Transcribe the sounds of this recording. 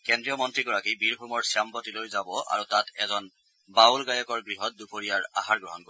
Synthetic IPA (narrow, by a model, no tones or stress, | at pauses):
kɛndɹijɔmɔntɹiɡɔɹakibiɹɦumɔɹsijampɔtilojzabɔʔa̰ɹutatʰɛ̰zɔn | bawlɡajɔkɔɹɡɹiɦɔt̚dupoɹijaɹa̰ɦaɹɡɹɔɦɔnkɔ